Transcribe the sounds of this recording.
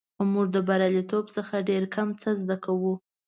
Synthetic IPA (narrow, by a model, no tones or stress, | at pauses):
muʐd̪əbaɾjalit̪obsəxaɖeɾkʰamt͡səzd̪akawu